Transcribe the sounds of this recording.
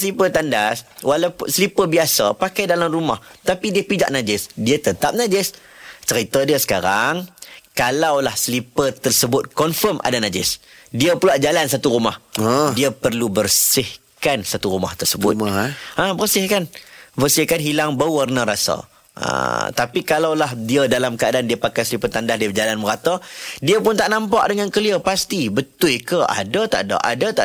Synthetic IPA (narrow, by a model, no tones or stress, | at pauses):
slipət̪andaswalawpsəlipəbiasapakajdalamruma̰ht̪apidiəpid͡ʒa̰ʔ̚nad͡ʒɪsdiət̪ət̪ap̚nãd͡ʒɪst͡ʃəɾit̪adiəsə̥kaɾaŋkalawlahsəlipət̪ərsəbʊt̪̚kɔnfəmʔa̰danad͡ʒɪ̰s | diəpulaʔd͡ʒalansat̪uɾumahdiəpərlubərsɪh | kansat̪uɾuma̰ht̪ərsəbʊ̰tabərsɪhkanbərsɪhkanɦilaŋbauarnaɾasa̰ | ə̰t̪apikalawlaɦdiədalamkəadandiəpakajsəlipət̪andahdiəd͡ʒalanməɾat̪adiəpʊnt̪aʔnãmpaʔ̚dəŋankəliəpast̪ibət̪ʊjkəʔa̰dat̪a̰ʔda̰ʔa̰dat̪a